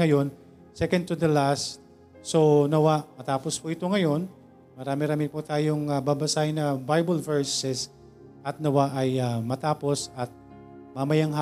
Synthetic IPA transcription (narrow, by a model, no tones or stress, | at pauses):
ɐjo̞n | sɛkɐnd̪̚t̪ud̪ɐlast̪̚ | so̞nɐwaʔmɐt̪aːpo̞spuʔɪt̪o̞ŋɐjo̞n | mɐɾaːmɪɾaːmɪput̪aːjoŋababɐsaɪnɐbajbɐlvɛɹsɛs | ʔɐt̪̚nɐwaʔɐjamɐt̪aːpo̞sɐt̪̚ | mɐmɐjaŋɦa